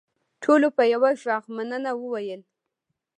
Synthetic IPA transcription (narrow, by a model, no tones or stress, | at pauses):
ʈʰolopəjawaʒɑɣmanənawəwajəl